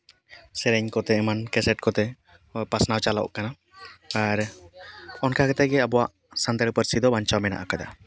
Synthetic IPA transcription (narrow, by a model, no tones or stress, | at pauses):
sɛɾɛɲkɔt̪ɛɛmankɛsɛʈ̚kɔt̪ɛ | pasnawt͡ʃalɔ̰ʔkana | aɾ | ɔnkakɛt̪ɛɡɛabɔwaʔ | sant̪aɾpəɾsid̪ɔbaɲt͡ʃawmɛna̰ʔakad̪a̰